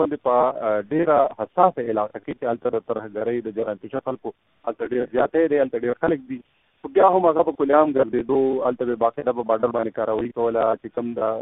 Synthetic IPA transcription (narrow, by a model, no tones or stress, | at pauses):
and̪epəɖeɾahasɑsaɪlɑqaket͡ʃealt̪ad̪ət̪əɾɦaɡaɾəjd̪əd͡ʒaɾant̪ɪʃaxalko | alt̪aɖeɾzjɑt̪ed̪ealt̪aɖeɾxalək̚d̪i | xobjɑɦamaɣapəkʊljɑmɡazzed̪oalt̪abebɑqed̪apəbɑɾɖaɾbɑnd̪ekɑɾəwaikawəlat͡ʃekəmd̪a